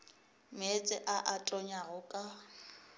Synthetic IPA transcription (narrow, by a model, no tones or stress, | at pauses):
met͡sʼɪʔaʔatʼɔɲaɣʊkʼa